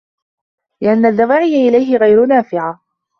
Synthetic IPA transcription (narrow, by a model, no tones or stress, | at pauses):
lɪʔanːaðːawaːʕɪjaʔɪlajɦɪɣajɾʊnaːfɪʕa